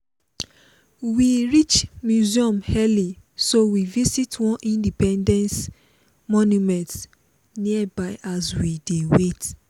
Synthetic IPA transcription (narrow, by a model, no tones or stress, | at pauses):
wiɹit͡ʃmjuziɔ̃mhɛli | sowivisitwɔ̃nʔĩndipɛ̃ndɛ̃ns | mɔnjumɛ̃nt | niəbaɪʔazwidewet